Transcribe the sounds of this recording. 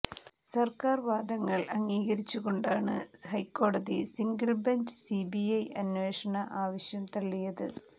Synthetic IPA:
sɐrkaːrʋaːd̪ɐŋːɐɭɐŋːiːɣɐɾit͡ɕːuɣo̞ɳɖaːɳɨhɐjkːo̞ːɽɐðisiŋɡɐɭbeɲd͡ʑɨsibiɐjɐnʋe̞ːʂɐɳɐʔaːʋɐɕjɐmt̪ɐɭːijɐðɨ̰

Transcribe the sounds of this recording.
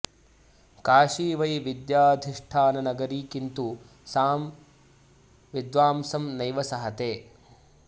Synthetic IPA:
kaːʂiːʋɐjʋid̪jaːd̪ʱiʂʈʰaːnɐnɐɡɐɾiːkint̪u | saːm | ʋid̪ʋaːmsɐmnɐjʋɐsɐɦɐt̪eː

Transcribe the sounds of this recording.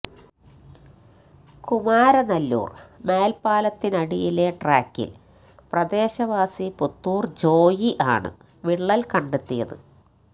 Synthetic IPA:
kumaːɾɐnɐlːṵːrme̞ːlpaːlɐt̪ːinɐɽijile̞ʈraːkːḭl | prɐd̪e̞ːɕɐʋaːsiput̪ːuːrd͡ʑo̞ːjiʔa̰ːɳɨ̰ | ʋiɭːɐlkɐɳɖet̪ːijɐðɨ̰

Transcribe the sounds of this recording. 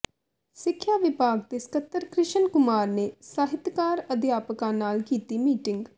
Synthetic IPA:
sɪkʰːjaːʋɪpaːɡ̚t̪eːskət̪ːəɾkɾɪʃənkʊmaːɾneːsaːɦɪt̪kaːɾəd̪jaːpəkãːnaːlkiːt̪iːmiːʈɪŋɡ

